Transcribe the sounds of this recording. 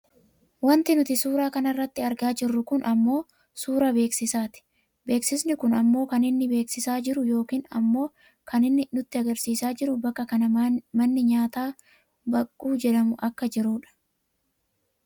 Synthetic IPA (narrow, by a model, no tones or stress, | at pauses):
wɐnt̪ɪnʊt̪ɪsuːɾaːkɐnɐrːɐt̪ːɪɐɾɡaːd͡ʒɪrːʊkʊnʔɐmːo̞ː | suːɾɐbe̞ːksɪsaːt̪ɪ̥ | be̞ːksɪsnɪkʊnɐmːo̞ːkɐnɪnːɪbe̞ːksɪsaːd͡ʒɪɾʊjo̞ːkiːnɐ̰mːo̞ː | kɐnɪnːɪnʊt̪ːɪɐɡɐɾsiːsaːd͡ʒɪɾʊbɐkːɐkɐnɐmɐnːɪɲaːt̪aː | bɐkʼːuːd͡ʒɛᶑɐmʊʔɐkːɐd͡ʒɪɾuːᶑɐ̥